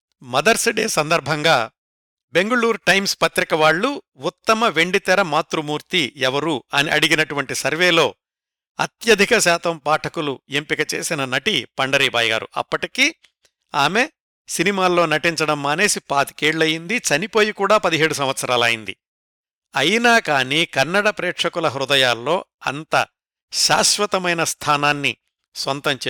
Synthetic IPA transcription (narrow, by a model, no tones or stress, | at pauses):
mɐd̪ɐɾsɐɖeːsɐnd̪ɐɾbʱɐŋɡaː | be̞ŋɡɐɭuːɾʈɐjmspɐt̪ɾikɐʋaːɭːu | ut̪ːɐmɐʋe̞ɳɖit̪ɛɾɐmaːt̪ɾumuːɾt̪iɛʋɐɾuɐniʔɐɽiɡinɐʈuʋɐɳʈisɐɾʋe̞ːlo̞ː | ɐ̰t̪jɐd̪ʱikɐʃaːt̪ʰɐmpaːʈʰɐkuluempikɐt͡ʃe̞̰ːsinɐnɐʈipɐɳɖɐɾiːbʱaːjɡa̰ːɾṵʔɐ̰pːɐʈiki | aːme̞ | sinimaːlːo̞ːnɐʈiɲt͡ʃɐɽɐmːaːne̞ːsipaːt̪i̥keːɽlɐjind̪it͡ʃɐnipo̞ːjikuːɽaːpɐd̪iɦe̞ːɽus̬ɐmʋɐt̪sɐɾaːlɐːjind̪ḭ | ɐjinaːkaːniːkɐnːɐɽɐpɾeːʈʂɐkulɐɦɾud̪ɐjaːlːo̞ːɐ̰nt̪ɐ | ʃaːʃʋɐt̪ɐmɐjnɐst̪ʰaːnaːnːi | sʋɐnt̪ɐmt͡ʃː